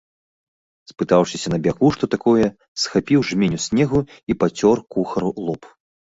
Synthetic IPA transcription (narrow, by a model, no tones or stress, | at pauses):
spɨt̪awʂɨsʲɐnɐbʲakuʂt̪ɔt̪akɔjɛ | sxapʲiwʐmʲenʲusʲnʲɛɣuipat͡sʲɔrkuxɐɾulˠɔp